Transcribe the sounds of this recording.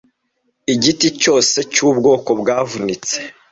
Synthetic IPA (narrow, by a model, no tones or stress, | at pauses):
iɟitico̞ːse̞cuːbɡo̞ːko̞bɡaːvunit͡se